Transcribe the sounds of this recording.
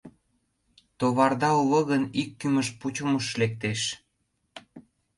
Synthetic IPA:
t̪oβɑrd̪ɑulə̆ɣənikːyməʃput͡ɕə̆məʃlek̚t̪eʃ

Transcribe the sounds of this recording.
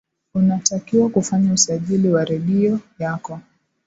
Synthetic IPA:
unatakiwakufaɲausaʄiliwaɾɛɗiɔjakɔ

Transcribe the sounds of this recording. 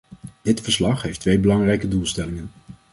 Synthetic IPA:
d̥ɪtfəɹslɑχɦejftʋejbəlɑŋrɛjkədulˠstɛlɪŋən

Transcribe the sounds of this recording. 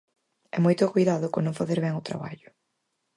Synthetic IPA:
ɛmojt̪ʊkujðaðʊkonõŋfaθeɾβɛŋʊt̪ɾa̰βa̰ʎʊ̥

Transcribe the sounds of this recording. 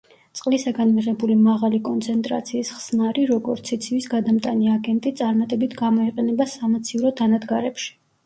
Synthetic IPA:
sʼqʼlisaɡanmiʁɛbulimaʁalikʼɔnt̪sʰɛnt̪ʼɾa̰t̪sʰiːsχsnaɾiɾɔɡɔɾt̪sʰit̪sʰivisɡad̪amt̪ʼaniaɡɛnt̪ʼit̪sʼaɾmat̪ʼɛbit̪ʰɡamɔiqʼɛnɛbasamat̪sʰiuɾɔd̪ʰanad̪ɡaɾɛpʃi̥

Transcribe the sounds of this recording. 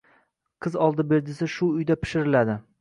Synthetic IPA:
qʰɨzɒlˠd̪ɪbeɾd̪ɪsɪʃʊːjd̪apʰɪ̥ʃɪɾɪlad̪ɪ

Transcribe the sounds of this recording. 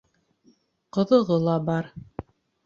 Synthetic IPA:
qɤ̆ðɤ̆ʁɤlˠɑbɑɾ

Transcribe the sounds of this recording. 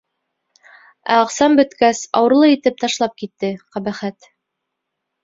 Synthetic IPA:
æ̰qsɑmbɵ̆t̪kæsɑ̰wɤ̆ɾlˠɤit̪ɘp̚t̪ɑʃlˠɑp̚kit̪ːɘqæbæχæt̪

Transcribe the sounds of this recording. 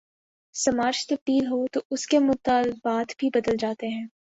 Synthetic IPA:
sɐmaːɾt͡ʃt̪ɐpiːlɦot̪oʊskemʊt̪aːlbaːt̪bʱibɐd̪əld͡ʒaːt̪eɦɛ̃ː

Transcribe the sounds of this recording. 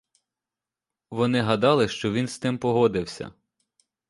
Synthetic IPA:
ʋɔnɪɦɐd̪ɑlˠɪʃt͡ʃɔʋʲinst̪ɪmpɔɦɔd̪ɪwsʲɐ̰

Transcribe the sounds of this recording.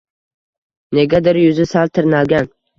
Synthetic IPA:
ne̞ɡʲad̪ɪɾjʊzɪsalt̪ʰɪɾnalɡʲan

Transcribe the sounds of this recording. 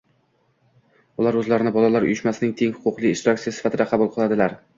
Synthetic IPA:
ʊlˠaɾɵzlaɾɪnɪbɒlalaɾʊ̰jʊʃmasɪnɪŋt̪ʰeŋhʊ̥qʊqlˠiɪʃt̪ɾakt̪ijasɪ̥fat̪ʰɪd̪aqʰɑbʊlˠqʰɨlˠad̪ɪlaɾ

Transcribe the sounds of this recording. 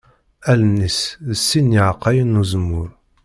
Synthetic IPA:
ælənːisəsːinːiʕqːɑjənːuzəmːʊɾ

